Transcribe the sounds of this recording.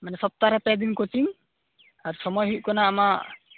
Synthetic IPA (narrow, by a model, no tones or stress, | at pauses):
manɛsɔp̚t̪aɾɛpɛd̪iŋkɔt͡ʃiŋ | aɾsɔmɔjɦuʔ̚kɔnaːmaʔ